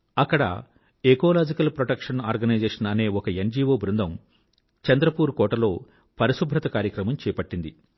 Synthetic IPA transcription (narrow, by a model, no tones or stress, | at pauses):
ɐkːɐɽɐ̰ | ekoːlaːd͡ʒikɐlpɾoʈɐkʂɐnaːɾɡɐnɐjd͡ʒeːʂɐnɐne̞ːɔkɐend͡ʒiːʋoːbɾund̪ʱɐm | t͡ʃɐnd̪ɾɐpuːɾukɔːʈɐlo̞ː | pɐɾiʃubʱɾɐt̪ɐkaːɾjɐkɾɐmɐmt͡ʃɛːjɐpɐʈːind̪i